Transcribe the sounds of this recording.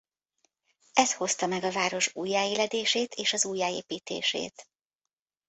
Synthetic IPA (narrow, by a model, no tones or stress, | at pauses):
ɛsho̞st̪ɒmɛɡɒvaːɾo̞ʃuːjːaːeːlɛd̪eːʃeːt̪ʰeːʃɒzuːjːaːeːpiːt̪ḛːʃḛːt̪